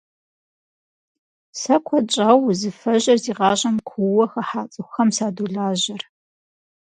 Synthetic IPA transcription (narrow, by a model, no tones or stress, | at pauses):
sɐkʷʰɔt͡ʃʼaːwzɨfɐʑɐrziːʁɑːʑʼɐmkʷʰuwɐxɐħaːt͡sʼɨxɐmsaːduɮaːʑɐr